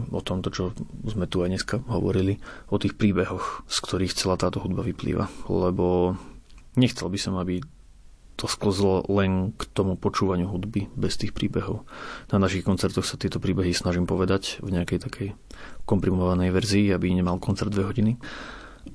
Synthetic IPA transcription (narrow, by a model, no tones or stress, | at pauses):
ɔt̪ɔmt̪ɔt͡ʃɔzmɛt̪uajɲɛskaɦɔ̰ʋɔ̰ɾiliɔt̪iːxpɾiːbɛɦɔxskt̪ʰɔɾiːxt͡sɛlaːt̪aːt̪ɔɦud̪baʋiplḭːʋʔa̰lɛbɔ | ɲɛxt͡sɛ̰lbisɔmabi | t̪ʰɔskl̩zlɔlɛnkt̪ɔmupɔt͡ʃuːʋaɲɪuɦud̪bibɛst̪iːxpɾḭːbɛɦɔʊnanaʃixkɔnt͡sɛɾt̪ɔxsat̪ɪɛt̪ɔpɾiːbɛɦisnaʒimpɔʋɛd̪acvɲɛakɛjt̪akʰɛj | kɔmpɾimɔʋanɛjʋɛɾziːabiɲɛmalkɔnt͡sɛɾd̪ʋɛɦɔɟini